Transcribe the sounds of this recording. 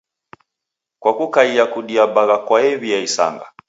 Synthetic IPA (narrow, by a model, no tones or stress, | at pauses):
kwakukaiakuɗiabaɣakwaɛβiaisa̰ŋɡa̰